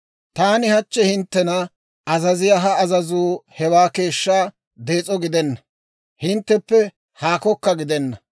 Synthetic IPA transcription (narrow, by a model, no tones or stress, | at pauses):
t̪aːnɪhɐt͡ʃːɛhɪnt̪ːɛnɐ | ɐzɐzɪjaɦɐːzɐzuːhɛwaːke̞ːʃːaː | d̪e̞ːt͡sʼɔɡɪd̪ɛnːɐ | hɪnt̪ːɛpːɛ | haːkɔkːɐɡɪd̪ɛnːɐ